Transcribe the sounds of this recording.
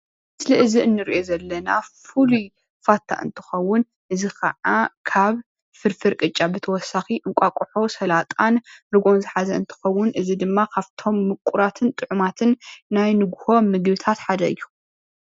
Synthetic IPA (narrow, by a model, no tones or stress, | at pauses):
mɨsliʔɨziʔɨnːɨɾiʔo̞zɐlːɐnafulu | fat̪ʰːa̰ʔɨ̰nt̪ʰɨ̥xɐwːʊn | ʔɨzixɐ̰ʕakʰaβ | fɨɾfɨɾkʼɨt͡ʃʼːabɨt̪ʰɐwɔsːaxiʔɨŋkʷʼakʼuħo̞sɐlat̪ʼanɾɨɡo̞nzɨħazɐɨnt̪ʰɨ̥xɐwːʊnʔɨzid̪ɨmːakʰaβt̪ʰo̞mːɨkʷʼuɾat̪ʰɨnt̪ʼɨʕumat̪ʰɨnːajnɨɡho̞mɨɡbɨt̪ʰat̪ħad̪ɐ̰ɨ̰jːu